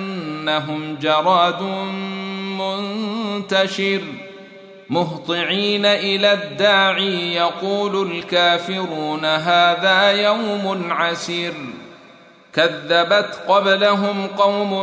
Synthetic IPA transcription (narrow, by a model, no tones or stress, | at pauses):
nːaɦʊmd͡ʒɑɾˤɑːd̪ʊ | mʊnt̪aʃɪɾ | mʊɦt̪ˤɨʕiːnaʔɪlaːd̪ːaːʕiːjɑquːlʊlkaːfɪɾuːnaɦaːðaːjawmʊlʕasiːɾ | kaðːabat̪qɑblaɦʊmqɑwm